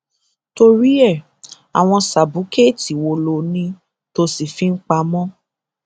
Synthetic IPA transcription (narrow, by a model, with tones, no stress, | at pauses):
to˧ɾi˦ɛ˦˨ | a˨w̃ɔ̃˧sa˨bu˨˦ke˦˨ti˨wo˧˨lo˧nĩ˧ | to˧si˨fi˨˦n̩˦k͡pa˧˦mɔ̃˦